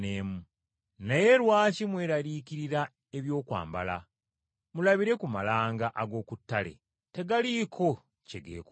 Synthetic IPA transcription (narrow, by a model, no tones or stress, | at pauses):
neːmu | naje̞ɾwaːcimwe̞ːɾalikiɾiɾa | e̞βjo̞ːkwa̰ːmba̰la̰ | mulaβiɾe̞kumalaːŋɡaʔaɡo̞ːkutːale̞̰ | te̞ɡalikʰo̞ | ceɡḛːk